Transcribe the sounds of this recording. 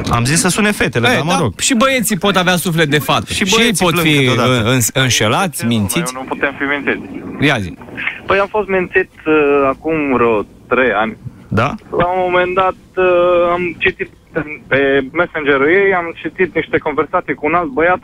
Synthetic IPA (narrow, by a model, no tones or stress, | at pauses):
a̰mzissəsunefe̞t̪eleaməɾoɡ̥ʃibəje̞t̪sipo̞t̪aveasuflet̪̚d̪efat̪eʃibʃəejpot̪fiod̪aɨnsʲɨnʃelat̪sʲmint̪sinuput̪emfiminsit̪sʲjazḭpəjamfo̞st̪mint̪sit̪əakumɾot̪ɾejanʲ | d̪a̰laumomend̪at̪̚amt͡ʃit̪it̪̚ | epemesend͡ʒeɾɨjejamt͡ʃit̪it̪niʃt̪ekonversat̪sijkuːnalt̪̚bəjat̪